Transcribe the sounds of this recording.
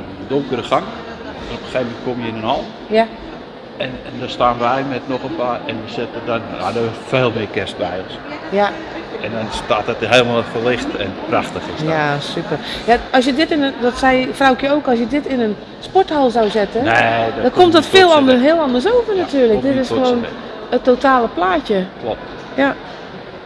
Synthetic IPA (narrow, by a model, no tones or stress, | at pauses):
doŋkərəχaŋ | anɔpxejvəmɛnt̚komjəɪnənhɔlˠ | ja | ɛnɛndɔstaːnʋɛjmɛtnɔχənpaːrɛnʋəsɪtədɔnja̰dəfeːlˠmɪkɛstʋɛjɔnsja | ɛndɔnstaːtɔtɦeːlˠəmalˠfəlɪxtɛ̰npraxtəxɪsjasypərjaɔsjədɪtɪnədɔtsɛjfrawkjəoːkɔs̬jədɪtɪnən | spɔthɔlˠsawzɪtənneddɔnkomtdɔtfɪːlˠɔndəɦɪəlˠɑndərs̬oːvərnatyːləkdɪtɪsəʋon | ətːowtaːləplaːcəklɔp̚t | ja